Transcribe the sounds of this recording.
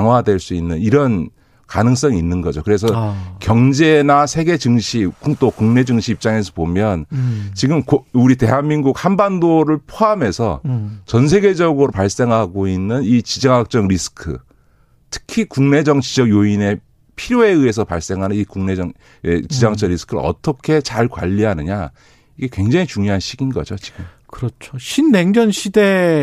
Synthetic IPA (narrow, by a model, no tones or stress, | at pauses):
kaŋɦwadwe̞ɭs͈uinːɯniɾʌn | kanɯŋs͈ʌŋiːnːɯnɡʌd͡ʑokɯɾe̞s̬ʰʌkjʌŋd͡ʑe̞nasʰe̞ɡe̞d͡ʑɯŋɕʰikut͈okuŋne̞d͡ʑɯŋɕʰiːp̚t͡ɕ͈aŋesʰʌpomjʌnt͡ɕiɡɯmkuɾite̞ɦanminɡuk̚hanbandoɾɯɭpʰoame̞sʰʌ̰t͡ɕʌnsʰe̞ɡe̞d͡ʑʌɡɯɾopaɭs͈e̞ŋɦaɡoinːɯnit͡ɕid͡ʑʌŋak̚t͡ɕ͈ʌŋɾisʰɯ̥kʰɯ̰ | tʰɯ̥kʰikuŋne̞d͡ʑʌŋt͡ɕid͡ʑʌɡjoine̞ | pʰiɾjoe̞ɯe̞sʰʌpaɭs͈e̞ŋɦanɯnikuŋne̞d͡ʑʌŋ | et͡ɕid͡ʑʌŋak̚t͡ɕ͈ʌŋɾisʰɯ̥kʰɯɾɯ̰ʌ̰t͈ʌkʰe̞t͡ɕaɭkwa̰ʎːiɦanɯɲa | iɡe̞kwe̞ŋd͡ʑaŋit͡ɕuŋjoɦanɕʰiɡinɡʌ̰d͡ʑot͡ɕi̥ɡɯmkɯɾʌt͡ɕʰoɕʰinːe̞ŋd͡ʑʌnɕʰide